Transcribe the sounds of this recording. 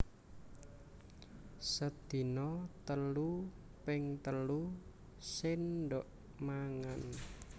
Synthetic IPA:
səd̪̥i̤nɔt̪əlu | pɪŋt̪əlu | sɪnɖɔʔ | maŋan

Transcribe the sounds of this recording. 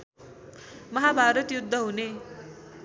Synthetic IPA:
məɦabʱaɾət̪jud̪ʱːəɦone

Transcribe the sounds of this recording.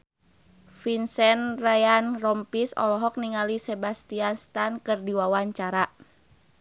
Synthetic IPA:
finsɛnrajanrɔmpisɔ̰lɔɦɔk̚niŋalisɛbast̪ianst̪ankɨrdiwawaɲt͡ʃaɾa

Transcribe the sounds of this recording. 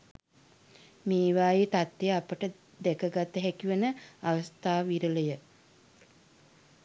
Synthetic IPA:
meːʋaːjit̪at̪ːejəapəʈə | d̪ɛkəɡat̪ːəɦækiʋənəaʋəst̪aːʋiɾələjə

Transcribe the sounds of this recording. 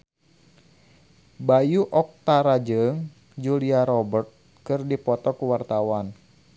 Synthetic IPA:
bajuʔɔk̚t̪aɾad͡ʒɨŋ | d͡ʒuliaɾɔbərt̪̚ | kɨrdipɔt̪ɔkuwart̪awan

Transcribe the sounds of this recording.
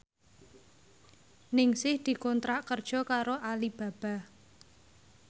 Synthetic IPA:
nɪŋsɪhd̪̥i̤kɔnt̪ɾaʔkərd̥ʒ̥ɔ̤kaɾoʔalib̥ä̤b̥a̤

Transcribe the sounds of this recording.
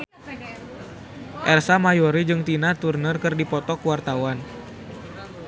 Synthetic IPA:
ʔɛrsamajɔɾid͡ʒɨŋt̪inat̪urnərkɨrdipɔt̪ɔkuwart̪awan

